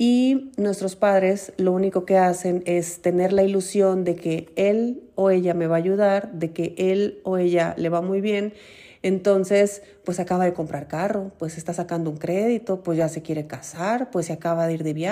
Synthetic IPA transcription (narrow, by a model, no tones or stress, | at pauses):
inwe̞st̪ɾo̞spaðɾe̞slo̞uniko̞ke̞ase̞ne̞st̪e̞ne̞ɾlailusjo̞nd̪e̞ke̞eloe̞ʝame̞βaːʝuðaɾðe̞ke̞ʔeloe̞ʝale̞βamujβje̞n | ent̪o̞nse̞s | pwe̞sakaβaðe̞ko̞mpɾaɾkaro̞pwesest̪asakand̪ouŋkɾe̞ðit̪o̞pwezʝase̞kje̞ɾe̞kasaɾpwesːeakaβaðeiɾðe̞βja